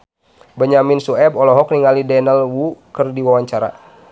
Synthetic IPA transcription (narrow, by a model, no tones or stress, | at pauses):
bəɲaminsuɛbɔlɔɦɔk̚niŋalidɛɛnɛlwukɨrdiwawaɲt͡ʃaɾa̰